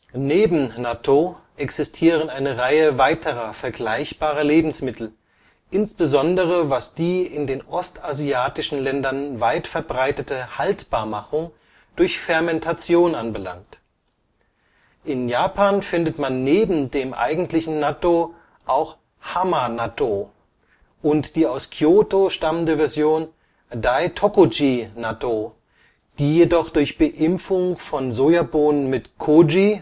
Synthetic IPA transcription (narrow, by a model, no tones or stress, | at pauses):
neːbm̩naːtʰo | ʔɛksɪstʰiːʁ̞ənaɪnəʁaɪəvaɪtʰəʁɐfɛɐɡlaɪçb̥aːʁɐleːbm̩smɪtʰl̩ | ʔɪnsb̥əzɔndəʁəvasd̥iːɪndeːnʔɔstaziaːtɪʃn̩lɛndɐnvaɪtfɛɐbʁaɪtətəhaltb̥aːɐmaχʊŋ | d̥ʊɐçfɛɐmɛntʰat͡sjoːnanbəla̰ŋk̚t | ʔɪnjaːpʰaːnfɪndətmanːeːbm̩deːmʔa̰ɪɡŋ̩tlɪçn̩nato | ʔaʊx | hamanato | ʔʊntd̥iːaʊskʰioːtoʃtaməndəvɛɐzjoːn | daɪtʰokod͡ʒiːnato | d̥iːjedɔχd̥ʊɐçb̥əʔɪmfʊŋfɔnzojaboːnənmɪtkʰod͡ʒi